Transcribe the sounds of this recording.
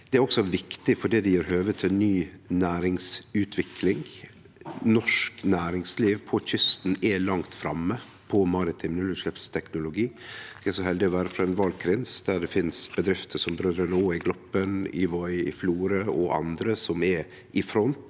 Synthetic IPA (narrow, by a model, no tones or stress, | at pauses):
d̪̥ɛæɾɔksɔʋɪkt̪ɪfɔɖid̪ɛjøːɾhøːʋət̪ʰɪɛnːyːnæːɾɪŋsʉːt̪ʰʋɪkʰlɪŋ | nɔʂknæːɾɪŋsliːʋpʰɔçʏst̪nɛlɑŋt̪fɾɑmːə | pʰɔmɑɾɪt̪ʰɪmnʉlʉʂlɛpst̪ʰɛknʊlʊɡiːskɛsɔhɛld̪ɪɔʋæːɾəfɾɑɛnʋɑlɡ̚kʰɾɪnsd̪̥æɖɛfɪnsbəd̪ɾɪft̪ʰəsɔmbɾøːd̪ɾənəoːɪɡlɔpːənɪ̰ʋɔʏɪ̰fluːɾəɔʔɑ̰nd̪ɾəsɔmɛ | ʔɪfɾɔnt̪